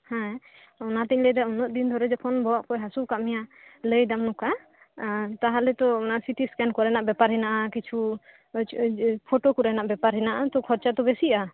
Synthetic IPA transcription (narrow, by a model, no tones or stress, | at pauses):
hɛ̃ | ɔnat̪iɲləjd̪aunɔʔ̪̚d̪ind̪ʱɔɾɛd͡ʒɔkʰɔnbɔwaʔkɔjɦasukaʔmijaləjd̪amnuka | t̪aɦalɛt̪ɔɔnasiʈiskɛnkɔɾɛnaʔbɛpaɾɦinaʔakit͡ʃʰu | pʰoʈokuɾɛnaʔbɛpaɾɦɛnaʔat̪ɔkʰɔɾt͡ʃat̪ɔbɛsiʔa